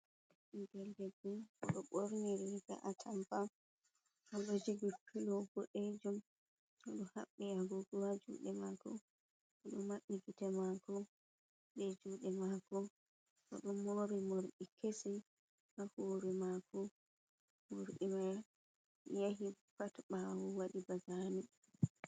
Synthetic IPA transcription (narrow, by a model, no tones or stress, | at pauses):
ɡɛldɛbuɔ̰ɗɔɓoɾniɾiɡa̰ʔatʰampa | ʔɔɗɔd͡ʒiɡipʰilɔɡɔɗed͡ʒum | ɔɗɔhaɓːiaɡuɡuwad͡ʒṵɗɛmakɔ | ɔɗɔmːaɓːiɡitɛmakɔ | ɗɛd͡ʒuːɗɛmaːkɔ | ʔɔ̰ɗumːoɾimoɾɗikʰesi | ʔahoːɾimakɔ | moɾɗimɛ | jaɦipatɓawuwaɗibaɡani